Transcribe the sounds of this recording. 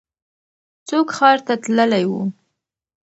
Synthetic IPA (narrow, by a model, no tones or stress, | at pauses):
t͡sokxɑɾt̪at̪ləlajwṵ